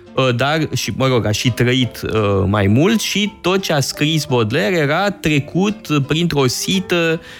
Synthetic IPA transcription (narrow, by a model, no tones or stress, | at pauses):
əd̪arʃiməɾo̞ɡaʃit̪ɾəit̪əmajmult̪ʃit̪o̞t̪̚t͡ʃeaskɾisbo̞d̪leɾje̞ɾat̪ɾe̞kut̪pɾint̪ɾo̞sit̪ə